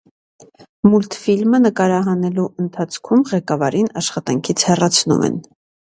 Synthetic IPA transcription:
mult̪filmənəkɑɾɑɦɑnɛluʔənt̪ʰɑt͡sʰkʰumʁɛkɑvɑɾinɑʃχɑt̪ɑŋkʰit͡sʰhɛrɑt͡sʰnṵmɛ̰n

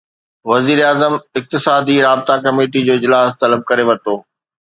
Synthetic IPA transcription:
ʋɐziːɾeaːzəmɪk̚t̪ɪsaːd̪iɾaːbɪt̪akɐmeːʈid͡ʑoːɪd͡ʑlaːst̪ɐləb̚kɐɾeʋɐt̪oː

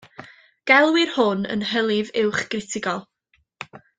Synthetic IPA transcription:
ɡ̥ɛlˠwɪrhʊnə̰nɦəlˠɪvɪwχɡ̥rɪtʰɪɡɔlˠ

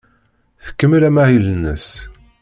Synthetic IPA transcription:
θə̥kːəmːəlæmahilənːəs

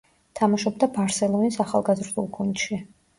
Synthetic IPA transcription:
t̪ʰamaʃɔb̚d̪abaɾsɛlˠɔnisaχa̰lˠɡazɾd̪ulˠɡʰund̪ʃi

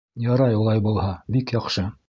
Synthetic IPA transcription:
jɑɾɑjulˠɑjbulˠhɑbikjɑqʃɤ

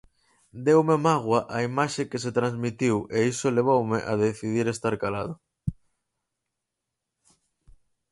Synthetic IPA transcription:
d̪ewmemaɣ̞waʔaimaʃekeset̪ɾanzmit̪iweisoleβ̞owmeʔaðeθið̞iɾest̪aɾkalað̞o

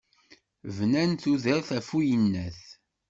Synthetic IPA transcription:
vnænθuðæθæfujənːæθ

